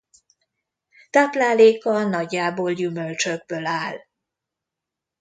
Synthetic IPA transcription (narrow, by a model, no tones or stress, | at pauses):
t̪aːplaːleːkɒnɒɟːaːboːljymølt͡ʃøɡ̚bøːlaːl